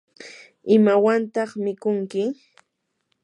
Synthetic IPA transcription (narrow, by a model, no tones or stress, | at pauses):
ɪmawant̪ɑχmɪkʊŋkɪ